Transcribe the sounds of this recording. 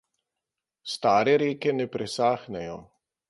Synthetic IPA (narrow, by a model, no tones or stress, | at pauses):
st̪aːɾɛɾeːkɛnɛpɾʔɛsaːxnɛjɔ